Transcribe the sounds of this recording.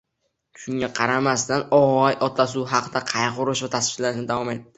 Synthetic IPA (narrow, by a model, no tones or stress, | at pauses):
ʃʰʊŋʲaqʰɑɾamast̪anɒʁɒjʔɒt̪las̬uɦɑqɨd̪aqʰɑjqʊɾɪʃvat̪ʰasfɪlaɾnɪd̪avɒmet̪̚d̪ɪ